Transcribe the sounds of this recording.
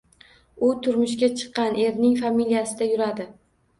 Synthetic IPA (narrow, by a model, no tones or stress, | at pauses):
ʊt̪ʰʊɾmʊʃkʲat͡ʃʰɨ̥qːɑne̞ɾnɪŋfamilijasɪd̪ajʊɾad̪ɪ